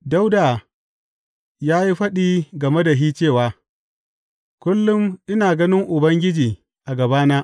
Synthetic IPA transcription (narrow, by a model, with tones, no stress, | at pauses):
da˦wda˨ | jaː˦ji˦ɸɐ˦ɗiː˦ɡɐ˨me˦da˨ɦiː˦t͡ʃeː˦˨waː˨ | kʷʊ˦lːʊ˦mʔɪ˦naː˨ɡɐ˦nɪ˦ŋʔʊ˨bɐ˦ŋɡʲɪ˦d͡ʒiː˨ | ʔa˨ɡɐ˨baː˦naː˦ʔ